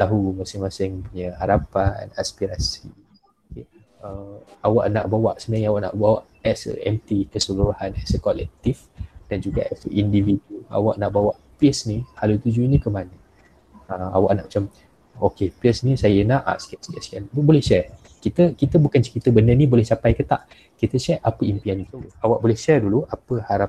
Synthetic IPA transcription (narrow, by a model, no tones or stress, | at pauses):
t̪aɦumasɪŋmasɪŋpuɲəhaɾapana̰spiɾasi | oke | əa̰waʔnaʔbawaʔsənaɲawaʔna̰ʔbawaʔ | ɛsɛ̰mt̪ikəsəluɾahanɛsəkɔlɛk̚t̪ifd̥and͡ʒuɡa̰ʔɛsʔindividuula̰waʔnaʔbawaʔpisnihalut̪ud͡ʒuɲəkəmanə | əa̰wa̰ʔnaʔmat͡ʃam | okepiəsnisajəenaʔa̰skɛʔskɛʔskanbbolɛhʃɛ | kit̪əkit̪əbukant͡ʃəkit̪əbənənibolɛhsapajkət̪a̰ʔ | kit̪əʃɛʔapəimpianik̪ut̪uawaʔbolɛhʃɛduluʔapəhaɾap̚